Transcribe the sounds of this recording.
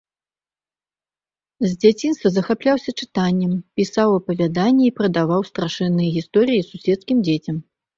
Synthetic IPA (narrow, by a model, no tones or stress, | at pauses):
zʲd͡zʲat͡sʲinst̪vɐzɐxaplʲawsʲɐt͡ʂɨ̥t̪anʲːɛmpʲisawɐpɐvʲad̪anʲːɛipɾɐd̪avawst̪ɾaʂɛnːɨjɛɣʲist̪ɔɾɨjisusʲɛt̪skʲimd͡zʲet͡sʲɐm